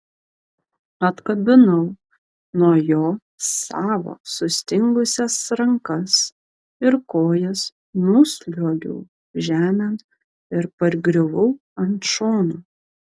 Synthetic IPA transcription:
ɐt̪kɐbʲɪnɐʊ | nuɔjoː | sɑːʋo̰ːsʊsʲt̪ʲɪŋɡʊsʲɛsɾɐŋkɐs | ɪɾkoːjɛs | mʊsʲlʲoːɡʲʊ̰ː | ʒʲæːmʲɛnt̪ | ɪɾpɐɾɡɾʲɪʋʊ | ɐnt̪ʃoːnu

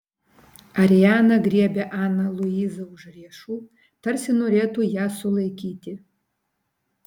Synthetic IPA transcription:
ɐɾʲijaːnɐɡɾʲiɛbʲɛʔɑːnɐlˠʊiːzɐʊʒrʲiɛʃuː | t̪ɐrʲsʲɪnoːɾʲeːt̪uːjæːsʊlˠɐɪkʲiːt̪ʲɪ

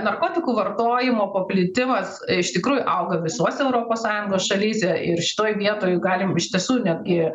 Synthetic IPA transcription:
nɐrkoːt̪ʲɪkuːʋɐrt̪oːjɪmoːpɐpʲlʲɪt̪ʲɪmɐsɪʃt̪ʲɪkɾuːjʊʔɐʊɡɐʋʲɪsuɔsʲɛɛʊɾoːpoːssɑːjʊŋɡoːsʃɐlʲiːsʲɛɪrʃʲɪ̥t̪oːjʋʲiɛt̪oːjʊɡɑːlʲɪmɪʃt̪ʲiɛsuːnʲɛt̪̚ɡʲɪ

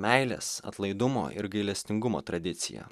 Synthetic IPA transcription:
mʲæɪlʲḛːsɐ̰t̪lˠɐɪd̪ʊmo̰ːʔɪ̰ɾɡɐɪlʲɛsʲt̪ʲɪŋɡʊmo̰ːt̪ɾɐd̪ʲɪt̪sʲɪ̰jɛ̰

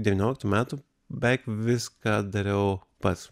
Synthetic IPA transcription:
d̪ʲɛʋʲiːnʲoːlʲɪkt̪uːmʲæːt̪u | bʲɛɪkʋʲɪskɑːd̪ɐɾʲɛʊpɐt̪s

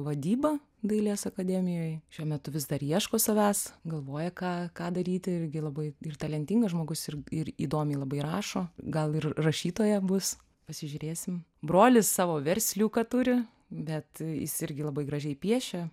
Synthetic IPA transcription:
ʋɐd̪ʲiːbɐ | d̪ɐɪlʲeːsɐkɐd̪ʲɛmʲɪjoːjʃʲuɔmʲɛt̪ʊʋʲɪzd̪ɐɾiɛʃkoːsɐʋʲæːsɡɐlˠʋoːjɛkɑːkɑːd̪ɐɾʲiːt̪ʲɪɪɾʲɡʲɪlˠɐbɐɪɪrt̪ɐlʲɛnʲt̪ʲɪŋɡɐsʒmoːɡʊsɪrɪrḭːd̪oːmʲɪlˠɐbɐɪɾɑːʃoːɡɐlˠɪrrɐʃʲiːt̪oːjɛbʊs | pɐsʲɪʒʲʊɾʲeːsʲɪm | bɾoːlʲɪssɑːʋoːʋʲɛɾʲsʲlʲuːkɑt̪ʊɾʲɪ | bʲɛt̪jɪ̰sɪɾʲɡʲɪlˠɐbɐɪɡɾɐʒʲɛɪpʲiɛʃʲɛ

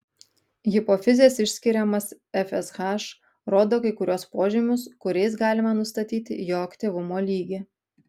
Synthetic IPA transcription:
ɣʲɪpoːfʲɪzʲeːsɪʃʲsʲkʲɪɾʲɛmɐs | ɛfʲɛsxɑʃ | ɾoːd̪oːkɐɪkʊɾʲuɔspoːʒʲɪmʲʊskʊɾʲɛɪsɡɑːlʲɪmɐnʊst̪ɐt̪ʲiːt̪ʲɪ̰joːɐkt̪ʲiʋʊmoːlʲiːɡʲɪ

